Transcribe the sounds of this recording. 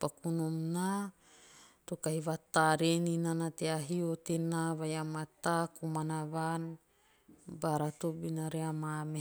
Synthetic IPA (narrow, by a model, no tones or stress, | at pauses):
pakunomna | tokaiβataɾeninanateaɦiotenaβajamatakumanaβan | baɾatobinaɾeamame